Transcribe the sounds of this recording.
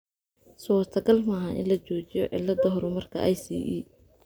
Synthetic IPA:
sɔːrt̪ʰɐɡɐlmɐɦɐʔɪ̰nlɐt͡ʃɔːt͡ʃɪjɔ̰ʕɪ̰lːɐd̪ɐɦɔɾʊmɐrkʰɐ̰ʔɛjsḭʔiː

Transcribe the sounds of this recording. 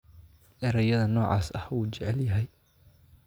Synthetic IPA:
ʔɛɾɐjɐðɐnɔːʕɑ̰ːsɐhuːt͡ʃɛʕɛljɐɦɛj

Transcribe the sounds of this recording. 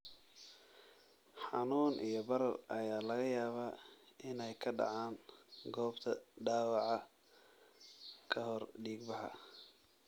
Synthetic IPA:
ħɑnuːnʔijɞbɐɾɐrʔɐjaːlɐɣɐjaːβaːɪnɛjkʰɐɖɑ̰ʕaːŋɡɔːbt̪ʰɐɖaːwɑʕɑ | kʰɐhɔrɖiːɡbɑħɑ̰

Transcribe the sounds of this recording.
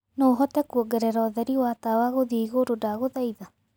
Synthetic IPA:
noːɦɔtɛkuɔɡɛɾɛɾaːðɛɾiwaːtawaɣoðiːɣoɾodaɣoðaiða

